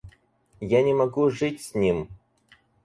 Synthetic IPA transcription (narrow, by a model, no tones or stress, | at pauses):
janʲɪmɐɡuʐɨtʲsʲnʲim